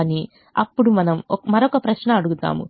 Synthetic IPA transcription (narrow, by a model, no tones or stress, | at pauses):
ni | ɐpːuɽumɐnɐmmɐɾokɐpɾɐʃnɐːɽuɡut̪a̰ːmṵ